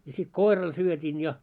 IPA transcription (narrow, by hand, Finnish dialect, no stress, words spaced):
jɑ sit koirɑl syøtʲin jɑ